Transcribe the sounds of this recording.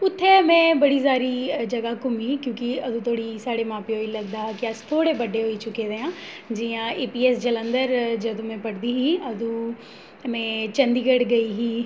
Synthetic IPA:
ʊt̪ʰːemɛ̃ːbəɽis̬aːɾid͡ʒɐɡakʊmiːkjõːkiɐd̪ũt̪ʰoːɽisaːɽemãːpeɦoːilɐɡd̪aːkiəst̪ʰoːɽebəɖeɦoːit͡ʃʊked̪eãː | d͡ʒiãeːpiːɛːsd͡ʒələ̃nd̪əɾd͡ʒəd̪ũmɛ̃ːpəɽd̪iɦiːɐd̪u | mɛ̃ːt͡ʃə̃nd̪iːɡəɽɡɐiːɦiː

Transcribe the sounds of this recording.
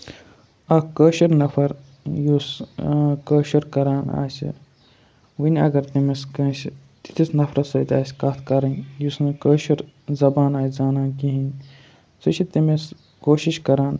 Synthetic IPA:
ɐkəːʃiɾnɐfʰɐɾ | jus | kəːʃiɾkɐɾaːna̰ːsʲḭ | ʋinʲɐ̰ɡɐɾt̪imɐskɐ | t̪i̥t̪ʰisnɐfʰɾɐt̪sɐt̪ʲa̰ːsʲkat̪ʰkɐɾɐnʲjusnɨkəːʃiɾ | zɐbaːnaːjzaːnaːɡiɦinʲ | sɨt͡ʃʰit̪imes | koːʃiʃkɐɾaːn

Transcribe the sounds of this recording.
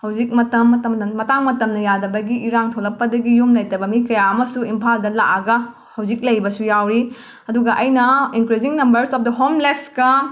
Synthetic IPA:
hɐwzik̚mɐtɐmːɐtɐmnɐmɐtaŋmɐtɐmnɐjadɐbɐɡiʔːɾaŋtʰolɐp̚pːɐdɐɡijumlɐjtɐbɐmikɐjaɐmɐsuimpʰaldɐla̰ʔaɡɐ | hɐwzik̚lɐjbɐsujawɾi | ɐduɡɐʔɐjnɐiŋkɾiziŋnɐmbɐɾsɔp̚dɐɦomleskɐ

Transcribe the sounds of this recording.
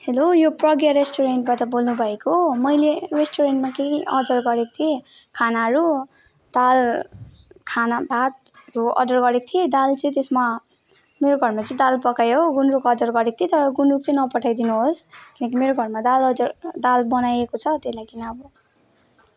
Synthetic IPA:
helojoprʌɡjaɾesʈoɾenʈbaʈʌbolnubʱʌekomʌjleresʈoɾeɳʈmakeiʌdʌrɡʌɾekot̪ʰie | kʰanaɦʌɾu | d̪̥al | kʰanab̪ʱat̪̚ | ɾuʌ̰d̪ʌrɡʌɾekt̪ʰied̪alt͡sʌ̃j̃t̪esma | meɾoɡʱʌrmat͡sʌĩd̪alpʌkajoɡunɾukʌd̪ʌrɡʌɾek̚t̪ʰiet̪ʌɾʌɡunruk̚t͡sʌ̃ĩnʌpʌʈʰajd̪inuɦoskinʌkimeɾoɡʱʌrmad̪alʌd͡zʌrd̪albʌnajekot͡sʰʌt̪eslajkinabu

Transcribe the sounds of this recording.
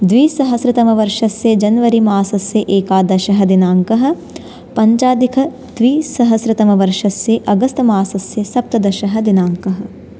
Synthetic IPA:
d̪ʋiːsɐɦɐsɾɪt̪ɐmɐʋɐɾʂɐsjɐd͡ʒɐnʋɐɾimaːsɐsjɐʔeːkaːd̪ɐʃɐɦɐd̪inaːŋkɐɦɐ̆ | pɐɲt͡ʃaːd̪ikʰɐ | d̪̥ʋiːsɐɦɐsɾɪt̪ɐmɐʋɐɾʂɐsjeʔɐɡɐst̪ɐmaːsɐsjesɐp̚t̪ɐd̪ɐʃɐɦɐd̪inaːŋkɐɦɐ̆

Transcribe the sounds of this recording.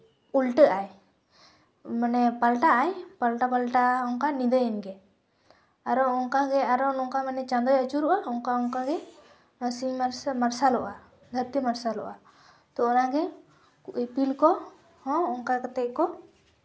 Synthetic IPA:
ulʈəʔaj | manɛpalʈaʔajpalʈapalʈaɔŋkanid̪əjɛnɡɛ | aɾɔɔŋkaɡɛaɾɔnɔŋkamanɛt͡ʃãnd̪ɔjət͡ʃuɾuʔaɔŋkaɔŋkaɡɛ | nɔsiɾsmaɾsalɔʔa | d̪ʱəɾt̪imaɾsalɔ̰ʔa | t̪ɔɔnaɡɛ | kuʔipilkɔ | hɔ̃ɔŋkakat̪ɛʔkɔ

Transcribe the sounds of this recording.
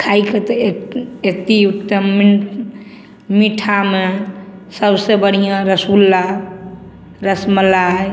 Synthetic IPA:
kʰaiket̪ɔekt̪iukt̪əm | miʈʰamesəbsebəɽ̤ijãɾəsulːa | ɾəsməla

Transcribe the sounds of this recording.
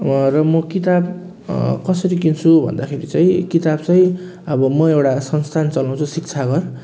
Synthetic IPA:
rʌmʌkit̪ab | kʌsʌɾikint͡sʰubʱʌ̰nd̪akʰeɾit͡saĩkit̪abt͡saj̃ | ʌbʌmʌewʈasʌnst̪ʰant͡sʌlaw̃t͡sʰusik̚t͡sʰaɡʌr

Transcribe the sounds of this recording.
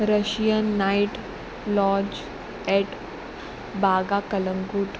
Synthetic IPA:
ɾəʃijənːaiʈ | lɔːd͡ʒ | ɛʈ | baːɡakələŋɡuʈ

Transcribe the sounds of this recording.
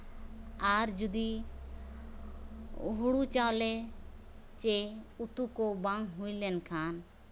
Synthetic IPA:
aɾd͡ʒud̪i | ɦuɽut͡ʃaolɛ | t͡ʃeut̪ukobaŋɦujlɛnkʰan

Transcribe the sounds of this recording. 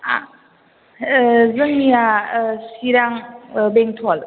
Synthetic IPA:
a | zɯŋiasiɾaŋbeŋtʰɔl

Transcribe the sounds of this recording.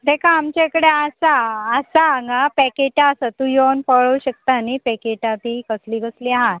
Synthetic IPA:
d̪ekʰaːmt͡ɕekəɽeasaːsaŋɡapɛkeʈaːsət̪ũjonpəɭəwɕək̚t̪anipɛkeʈat̪ikəsliːɡəsliːaɦat̪̚

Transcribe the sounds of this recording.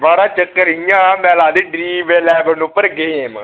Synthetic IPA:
baːɽaːt͡ʃəkːəɾijãːmɛ̃ːlaːd̪iːɖɾiːʋeːlɛːbənʊpːəɾɡeːm

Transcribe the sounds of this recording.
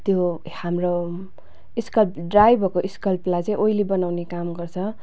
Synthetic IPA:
t̪jo | hamro | iskʌlpɖrajbʱʌrkoʔiskʌlplajt͡sʌ̃ĩʔoilibʌnawnekamɡʌrt͡sʰʌ

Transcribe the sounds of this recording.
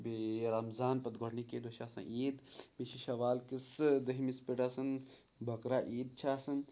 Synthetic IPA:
beɾɐmzaːnpɐt̪ɡʱoɽniked̪oʃʰaːsɐ̰̃ʔiːd̪biʃʰiʃɐʋaːlkisd̪ɐɦimispiʈaːsɐn | bʱɐkɾaːʔiːd̪̚t͡ʃʰaːsɐn

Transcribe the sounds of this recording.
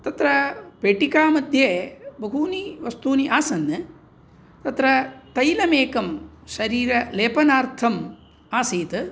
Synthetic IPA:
t̪ɐt̪ɾɐpeːʈikaːmɐd̪ʱjeːbɐɦuːniʋɐst̪uːniʔaːsɐnːɨ | t̪ɐt̪ɾɐt̪ɐjlɐmeːkɐm | ʃɐɾiːɾɐleːpɐnaːɾt̪ʰɐm | aːsiːt̪ɨ

